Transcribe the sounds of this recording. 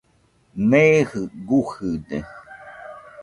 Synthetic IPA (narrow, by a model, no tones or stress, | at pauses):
mehɯɡuhɨd̪e